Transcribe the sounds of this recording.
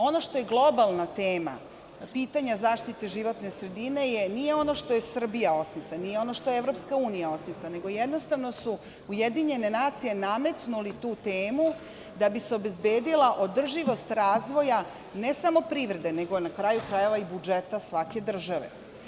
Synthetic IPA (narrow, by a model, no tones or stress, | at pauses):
o̞no̞ʂt̪o̞je̞ɡlˠo̞balˠnat̪eːma̰ | piːt̪aɲazaːʃt̪it̪e̞ʒiʋo̞t̪ne̞sɾe̞d̪ine̞jenijeo̞no̞ʃt̪o̞jesr̩bijao̞smislanijeo̞no̞ʃt̪o̞jevɾo̞pskauːnijao̞smislane̞ɡo̞jed̪no̞st̪aʋno̞su | ujed̪iɲe̞ne̞naːt̪sije̞name̞t̪nulit̪uːt̪eːmu | d̪abiseo̞be̞zbe̞ːd̪ilaʔo̞d̪r̩ʒiʋo̞st̪ɾaːzʋo̞ja | ne̞samo̞pɾiːʋɾe̞d̪e̞ne̞ɡo̞nakɾajukɾaje̞ʋaibud͡ʒet̪asʋake̞d̪r̩ʒaʋe̞̰